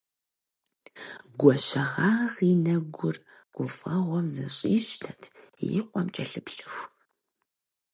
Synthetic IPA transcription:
ɡʷɔɕɐʁaːʁinɐɡʷʊr | ɡ̥ʷʊfʼɐʁʷɔmzɐɕʼiːɕtʰɐtʰ | jɪ̰qʷʼɔmt͡ʃʼɐɬɨpɬɨxʷ

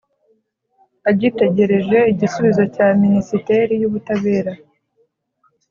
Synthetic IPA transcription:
aɟite̞ɟe̞ɾe̞ʒe̞iɟisuβizo̞caːminisite̞ɾijuβutaβe̞ːɾa

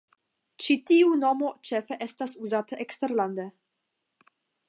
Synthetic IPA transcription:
t͡ʃitiuno̞mo̞t͡ʃefe̞ʔe̞stasuzataʔeksteɾlande

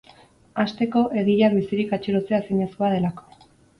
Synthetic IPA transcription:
ast̪e̞ko̞ʔe̞ɣiʎaɾβisiɾikat͡ʃiɾot͡se̞asiɲe̞skoað̞e̞lako̥

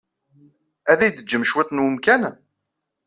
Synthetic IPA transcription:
æðæjd̪əd͡ʒːəmʃwit̪ˤːnwəmkæn

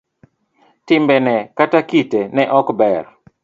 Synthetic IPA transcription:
tɪmbɛnɛkatakitenɛʔɔkbɛr

